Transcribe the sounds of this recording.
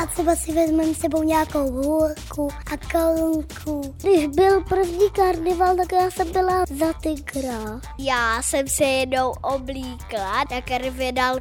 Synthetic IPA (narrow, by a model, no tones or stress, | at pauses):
at̪r̥ɛbasɪvɛzmɛmsɛbo̞wɲaːkowlukuʔakalŋkʰuɡdɪʒbɪlpr̩vɲiːkaɾdɪvaːlt̪akjaːsɛmbɪlazat̪ɛkɾatjaːsɛmsɛjɛdnowʔobliːklajakɛɾvɪdal